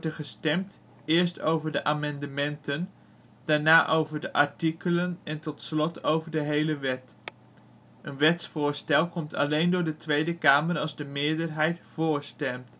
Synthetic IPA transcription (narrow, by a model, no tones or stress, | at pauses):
ɔdəχəstɛmt | ɪːɹstowvəɹdəʔaːmɑndəmɛntən | d̥aːɹnaːʔowvəɹdəʔɑɹtikələnɛntɔtslɔtʰowvəɹdəɦejləʋɛt | ʔənʋɛtsfʊːɹstɛlˠkɔmtʰɑ̰lejndʊːɹdətʋejdəkaːməɾɑlˠzdəmɪːɹdəɹɦɛjtfʊːɹstɛmt